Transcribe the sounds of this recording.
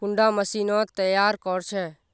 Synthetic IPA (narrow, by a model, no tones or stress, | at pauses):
kʊɳɖãməsiːnɔt̪əjaːɾkɔɾt͡ʃʰeː